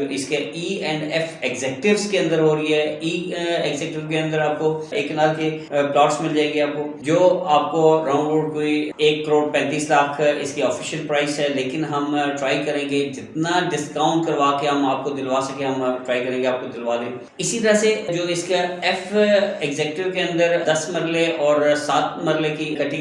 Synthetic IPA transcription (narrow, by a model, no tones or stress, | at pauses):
ɪskeʔiːɛ̃ːɳɖɛfɛɡzɛːkʈɪʋzkeɐ̃nd̪əɾɦoːɾəiɦɛiːɛɡzɛkʈɪʋkeɐ̃nd̪əɾaːp̚koeːknaːlkeplaːʈsmɪld͡ʒaːeːɡeaːp̚kod͡ʒoːaːp̚koɾãːnʋoːɖ̚koːieːkːəɾoːɖpɛ̃ːnt̪iːslaːkʰɪ̰skiɔːfʰɪʃəlpɾaːɪsɦɛːleːkɪnɦɐmʈɾaːikɐɾẽːŋɡed͡ʒɪt̪naɖɪskãːʊ̃ɳʈkɐɾʋaːkeɦɐmaːp̚kod̪ɪlʋaːsɐkẽɦɐmʈɾaːikɐɾẽːŋɡeaːp̚kod̪ɪlʋaːd̪ẽː | ɪsit̪ɐɾased͡ʒoːɪskeɛfɛɡzɛːkʈɪʋkeɐ̃nd̪əɾd̪ɐsmɐɾleʔɔːɾsaːt̪mɐɾlekikɐʈi